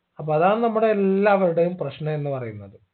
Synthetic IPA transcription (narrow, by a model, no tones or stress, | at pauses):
ɐp̬ːoɐðaːnnɐmːuɽe̞ːlːaːʋɐɾuɽejumprɐɕɳɐenːɨpɐrɐjunːɐðɨ